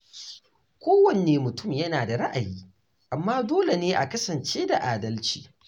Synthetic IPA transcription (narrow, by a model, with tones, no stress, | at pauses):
kʷoː˦wɐ˨neː˨mʊ˨tʊ˦˨mjɐ˦naː˨da˨ɽɐ˦ʔa˨jiː˦ | ʔa˨mːaː˦doː˦le˨neː˦ʔa˨kɐ˦sɐ˨nt͡ʃeː˦da˨ʔaː˨dɐ˦lt͡ʃiː˨